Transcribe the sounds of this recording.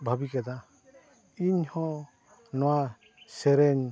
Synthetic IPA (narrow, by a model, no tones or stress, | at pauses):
bʱabikad̪a | iɲhɔ̃ | nɔwa | sɛɾɛɲ